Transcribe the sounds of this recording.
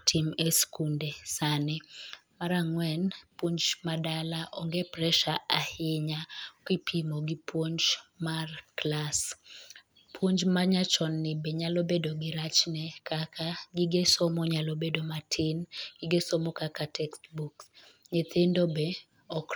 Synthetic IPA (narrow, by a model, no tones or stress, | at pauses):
tʰimeskundesanɛmaɾaŋwɛnpwoɲd͡ʒmadalaʔɔŋɡepɾɛʃaʔahɪɲakɪpʰimoɡipwoɲt͡ʃmarklas | pʰwoɲd͡ʒmaɲat͡ʃɔnːɪbeɲalobedoɡɪɾat͡ʃnɛkakʰaɡiɡesɔmɔɲalobedomatʰɪnɡ̥ɪɡesomɔkakatʰɛkstbuks | ɲet̪ʰendobe | ɔk